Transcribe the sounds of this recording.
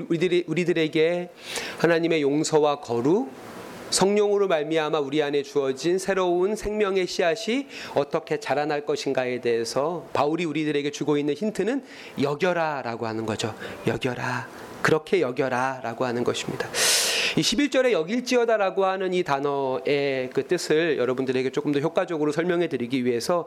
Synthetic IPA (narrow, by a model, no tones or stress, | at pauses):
uɾidɯɾe̞ɡe̞ | hanaɲime̞joŋsʰʌwakʌɾu | sʰʌŋɲoŋɯɾomaɭmiɦamauɾiane̞t͡ɕuʌd͡ʑinsʰe̞ɾounsʰe̞ŋmjʌŋe̞ɕʰiɦaɕʰiʌt͈ʌkʰe̞t͡ɕaɾanaɭk͈ʌɕʰinɡae̞de̞esʰʌpauɾiuɾidɯɾe̞ɡe̞t͡ɕuɡoinːɯnɕʰintʰɯnɯn | jʌɡjʌɾaɾaɡohanɯnɡʌd͡ʑojʌɡjʌɾa | kɯɾʌkʰe̞jʌɡjʌɾaɾaɡohanɯnɡʌɕʰi̥mɲidaiɕʰibiɭt͡ɕ͈ʌɾe̞jʌɡiɭt͡ɕ͈iʌdaɾaɡoɦanɯnitanʌe̞kɯt͈ɯsʰɯɭjʌɾʌbundɯɾe̞ɡe̞t͡ɕ͈ok͈ɯmdʌçjok͈wad͡ʑʌɡɯɾosʰʌɭmjʌŋɦe̞dɯɾiɡiɥiɦe̞sʰʌ